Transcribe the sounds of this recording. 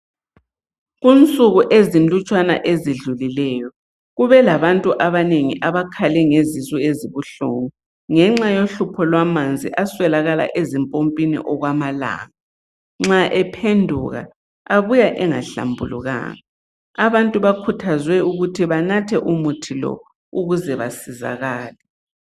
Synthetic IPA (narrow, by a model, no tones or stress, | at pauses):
ɣunt͡sʼuɣuʔezinlut͡ʃʼwana̰ʔeziɮulilɛːjɔ | ɣuβɛlaβantʼuʔaβaneŋiʔaβakʰalɛŋezizʼueziβuɬo̰ŋu | ŋɛŋ͡ǁajoɬupʰɔlwamand͡zʱḭʔaswɛlaɣala̰ʔezimpʼompʼinḭʔɔɣwamala̰ːŋa | ŋ͡ǁaʔɛpʰendʱuɣa̰ | aβujaʔɛŋa̰ɬa̰mbʱṵlṵɣa̰ːŋa | aβantʼuβakʰutʰazwɛuɣutʰiβanatʰɛʔumutʰilɔ̰ | uɣuzɛβasiza̰ɣaːlɛ